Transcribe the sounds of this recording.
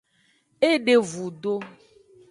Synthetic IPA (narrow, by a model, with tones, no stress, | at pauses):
e˦ɖe˨vu˨ɖo˦